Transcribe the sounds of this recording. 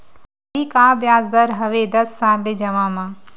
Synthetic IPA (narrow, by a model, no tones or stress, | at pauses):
iːkaːʋjaːzd̪aɾɦɐʋeːd̪ɐsːãːd̪ed͡ʒɐʋãːmãː